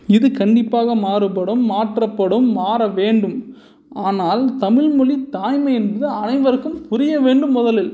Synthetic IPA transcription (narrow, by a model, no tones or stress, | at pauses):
ɪðɯkɐɳɖɪpːaːɣɐmaːɾɯp̬ɐɽɯmːaːʈrɐpːɐɽɯmːaːɾɐʋeːɳɖɯm | aːnaːlt̪ɐmɪɭmʊlit̪aːjmɐɛnbɐðɯɐnɐɪʋɐɾɯkːɯmpʊɾɪjɐʋeːɳɖɯmːʊðɐlɪl